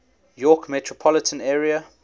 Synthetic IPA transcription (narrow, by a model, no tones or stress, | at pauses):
jɔkmɛtʰɹɔpʰɔlɪtʰə̃nɛːɹiə